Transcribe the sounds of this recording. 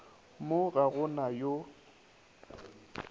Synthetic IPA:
moɣaɣʊnajo

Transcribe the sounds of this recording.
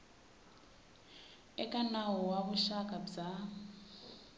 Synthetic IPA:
ɛkʼanaɦɔwaβuʃakʼab͡ʐa

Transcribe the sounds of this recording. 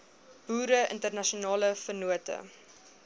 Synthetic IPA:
b̥uːɾəʔə̰ntərnɐʃionɑːləfənuətə̰

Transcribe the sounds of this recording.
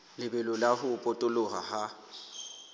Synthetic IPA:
lɪbɛlɔlahʊpʼotʼʊlʊɣaha

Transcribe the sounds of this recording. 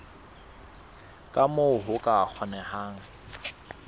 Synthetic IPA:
kʼamoɦʊkʼak͡xʰɔnɛhaːŋ̩

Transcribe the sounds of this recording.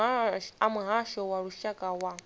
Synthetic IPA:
aamuɦaʃɔwaɺuʃakʼawa

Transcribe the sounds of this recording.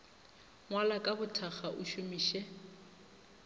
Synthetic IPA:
ŋwalakʼabʊtʰaχaʔʊʃumiːʃɛ

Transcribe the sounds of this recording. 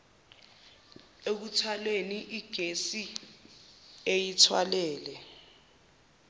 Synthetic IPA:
ek̬utʰaleniʔiɡ̥ʱesi | ejitʰwalɛːlɛ

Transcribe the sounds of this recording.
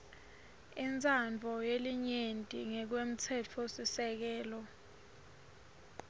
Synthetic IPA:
int͡sʰʼand͡vʱɔjeliɲentʼiŋɛk̬wem̩t͡sʰɛt͡fʰosisɛk̬ɛːlɔ

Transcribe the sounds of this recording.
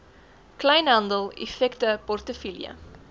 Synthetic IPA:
klɐjnɦɐndəlˠḭfɛktəpɔrtəfilḭə̰

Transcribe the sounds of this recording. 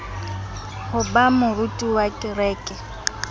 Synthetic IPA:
hʊbamʊrutʼiwakʼɪrɛːkʼɛ

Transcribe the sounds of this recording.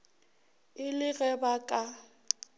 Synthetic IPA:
ɪlɪɣɛbakʼa

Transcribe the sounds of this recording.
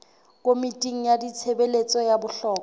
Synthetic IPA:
kʼomitʼiŋ̩jadit͡sʰebelet͡sʼɔjabʊɬɔːkɔ

